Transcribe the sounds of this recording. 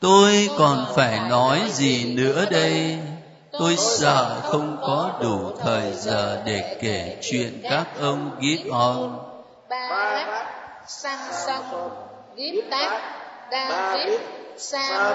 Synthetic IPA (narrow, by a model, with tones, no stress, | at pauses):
t̪o˧jkɔ˨˩nfaː˧˩jnɔ˨˦jzi˨˩nɨ̰˧˥əɗə˧j | t̪o˧jsə̰ː˧˩˨xə˧wŋ͡mkɔ˨˦ɗu˧˩t̪ʰəː˨˩jzəː˨˩ɗe˧˩ke˧˩t͡ɕwḭ˧˨ənkaː˦˥k̚ʔə˧wŋ͡mɣi˦˥əp̚ʔɔ˧n˧